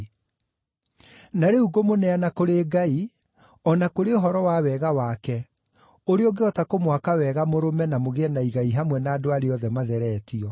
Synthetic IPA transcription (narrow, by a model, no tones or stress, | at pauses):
naɾeuɡomonɛanakoɾeːɡai | ɔnakoɾeoɦɔɾɔwawɛɣawakɛ | oɾeoɡeɔtakomwakawɛɣamoɾomɛnamoɣeɛnaiɣaiɦamwɛnaːdoaɾeɔðɛmaðɛɾɛːtiɔ